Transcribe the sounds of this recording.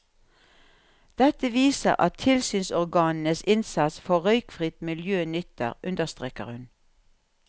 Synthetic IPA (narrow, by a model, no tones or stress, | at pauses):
d̪̥ɛt̪əʋiːsə̰ʁɑ̰t̪ʰːɪlsyːnsɔʁɡɑːnn̩əsɪnsɑt̪sfɔʁœʏkfʁɪt̪mɪljøːnʏt̪ə̰ʁʔʉnd̪əʁst̪ʁeːkə̰ʁhʉn